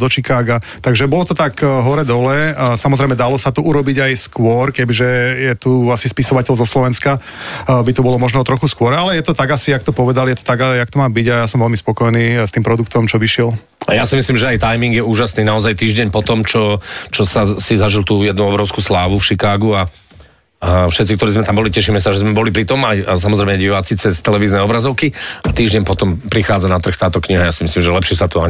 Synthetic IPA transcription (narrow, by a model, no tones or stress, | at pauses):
d̪ɔt͡ʃikaːɡat̪aɡʒɛbɔlɔt̪ɔt̪akɦɔɾɛd̪ɔlɛsamɔzɾɛjmɛd̪alɔsat̪ɔuɾɔbiɟajskʊɔɾkɛbiʒɛjɛt̪uasispisɔʋacɛlzɔslɔʋɛnska | bit̪ɔbɔlɔmɔʒnɛt̪ɾɔxuskʊɔɾalɛjɛt̪ɔt̪aɡasiakt̪ɔpɔʋɛd̪aljɛt̪ɔ̥t̪aɡajakt̪ɔmaːbiɟajasɔmʋɛlmispɔkɔjniːst̪iːmpɾɔd̪ukt̪ɔmt͡ʃɔʋiʃɪɛl | ajasimislimʒɛajt̪ajmiŋɡjɛuːʒasniːnaɔzajt̪iːʒɟɛɲpɔt̪ɔmt͡ʃɔt͡ʃɔsasizaʒilt̪uːjɛd̪nuɔbɾɔʊskuːslaːʋufʃikaːɡua | fʃɛt̪t͡sikt̪ɔɾiːzmɛt̪ambɔlicɛʃimɛsaʒɛzmɛbɔlipɾit̪ɔmajas̬amɔzɾɛɪmɲɛɟiʋaːt͡sit͡sɛst̪ɛlɛʋiːznɛɔbɾazɔʊkiat̪iːʒɟɛɲpɔt̪ɔmpɾixaːd͡zanat̪r̩xt̪aːt̪ɔkɲiɦajaːsimislimʒɛlɛpʃɪɛsat̪ua